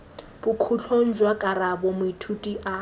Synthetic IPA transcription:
bukʰut͡ɬʰon̩d͡ʒwakʼaɾabɔmʊitʰutʼiʔa

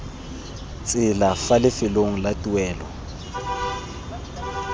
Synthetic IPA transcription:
t͡sʼɪlafalɪfɪloŋ̩latʼuwɛːlɔ̰

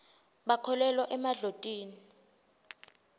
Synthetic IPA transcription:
ɓakʰɔlɛlwɔʔɛmaɮotʼiːni

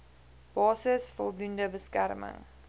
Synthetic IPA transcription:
b̥ɑːsəsfɔlˠdundəbəskæ̰rmə̰ŋ

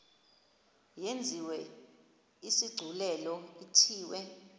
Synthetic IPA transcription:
jend͡zʱiwɛ | isiɡ͡ǀʱulɛlɔitʰiːwɛ

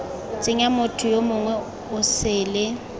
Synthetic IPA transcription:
t͡sʼɪŋamʊtʰʊjomʊŋwɛ | ʊsɪːlɪ

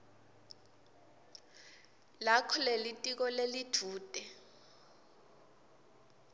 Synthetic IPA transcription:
lakʰɔlelitʼik̬ɔlelitʰuːtʼɛ

